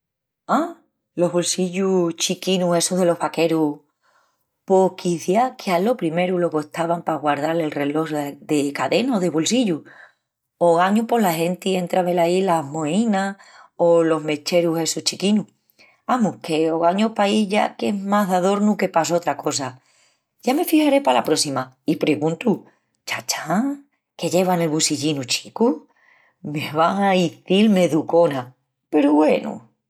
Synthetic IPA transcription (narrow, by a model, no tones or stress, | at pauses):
a | lo̞ɦβolsiʎut͡ʃikinuhe̞suðe̞lo̞hβake̞ɾu | pokiθjakʰealo̞pɾime̞ɾuloɣoht̪aβampaɣwaɾð̞ale̞lre̞lo̞ɦðe̞kaðe̞naoðe̞βolsiʎu | oɣaɲupo̞laɦe̞nt̪ie̞nt̪ɾaβe̞lailaɦmo̞inaolo̞ɦme̞t͡ʃe̞ɾuɦe̞sut͡ʃikinu | amuhke̞oɣaɲopaiʝa̰ke̞ɦmaɦðaðo̞ɾnuke̞pas̬o̞t̪ɾako̞s̬a | ʝame̞fihaɾe̞palapɾo̞sima | ipɾeɣũnt̪u | t͡ʃat͡ʃḁŋ | ke̞ʎe̞βane̞lβusiʎinut͡ʃi̥ku | meβaŋaiθilme̞ðuko̞na | pe̞ɾuβwenṵ